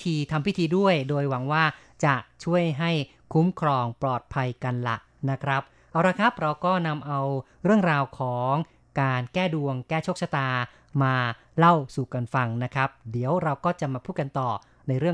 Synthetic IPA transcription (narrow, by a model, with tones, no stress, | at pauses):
t̪ʰiː˧t̪ʰa˧mwi˦˥t̪ʰiː˧du˥˩əjdoː˧jwa˩˦ŋwaː˥˩ | t͡ɕa˨˩ʔt͡ɕʰu˥˩əjɦa˥˩j | kʰu˦˥mkʰɾɔː˧ŋplɔː˨˩t̪̚pʰa˧jka˧nla̰˨˩ʔ | na˦˥kʰɾa˦˥p̚ | ʔaː˧wɾa˧kʰɾa˦˥p̚ɾa˧wkɔː˥˩na˧mʔa˧w | ɾɯ˥˩əŋɾaː˧wkʰɔː˩˦ŋ | kaː˧nkɛː˥˩du˧əŋkɛː˥˩t͡ɕʰo˥˩k̚sa˧t̪aː˧ | maː˧ | la˥˩wsuː˨˩ka˧nfa˧ŋna˦˥kʰɾa˦˥p̚di˩˦əwɾa˧wkɔː˥˩t͡ɕa˨˩maː˧pʰuː˥˩ka˧nt̪ɔː˨˩ | na˧jɾɯ˥˩ə